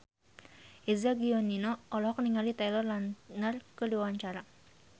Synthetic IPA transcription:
ʔizaɡiɔninoɔlɔɦɔk̚niŋalit̪ajlɔrlannərkəduawaɲt͡ʃaɾa

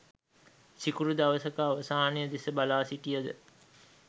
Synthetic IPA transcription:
sikuɾud̪aʋəsəkaːʋəsaːnejəd̪esəbalaːsiʈijəd̪ə̰

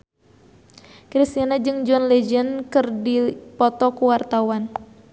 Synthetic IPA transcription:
kɾist̪inad͡ʒɨŋd͡ʒɔnlɛd͡ʒənkɨrdipɔt̪ɔkuwart̪awan

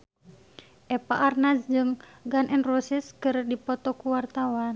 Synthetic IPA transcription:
ʔɛpaʔːrnasd͡ʒɨŋ | ɡanʔɛnrusiskɨrdipɔt̪ɔkuwart̪awan

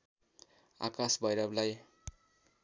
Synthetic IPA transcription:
a̰kasbʱʌjɾʌblaj

